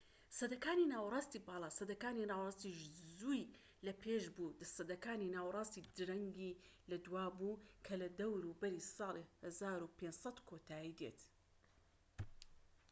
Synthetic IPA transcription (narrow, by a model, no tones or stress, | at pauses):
sɐd̪ɐkaːninaːwrˤɑːst̪iːbɑːlˠɑːsɐd̪ɐkaːninaːwrˤɑːst̪iʃzuj | lɐpʰeːʃbud̪ɐsɐd̪ɐkaːninaːwrˤɑːst̪id̪ɾɐŋɡilɐd̪uwaːbukʰɐlɐd̪ɐwɾubɐɾisɑːlihɐzaːɾupʰensɐt̪kʰot̪ʰaːjiːd̪ḛt̪